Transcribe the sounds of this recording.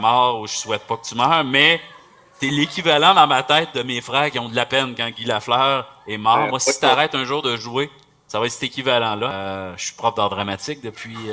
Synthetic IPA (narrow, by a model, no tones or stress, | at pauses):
mɑːʁuʒəswɛt̪̚pʌkət̪ymœːʁmɛ | t̪elekʲivalɑ̃d̪ɑ̃mat̪ɛɪt̪̚d̪əmefʁɛːʁkʲiɔ̃d̪əlapɛnkɑ̃ɡʲilaflœːʁɛmɑːʁmwasi̥t̪aʁɛt̪œ̃ʒuːʁd̪əʒue | savaɛt̪sɛt̪ekʲivalɑ̃lʌʃi̥pʁɔfd̪ɑːʁd̪ʁamat͡sɪk̚d̪əpʰɥi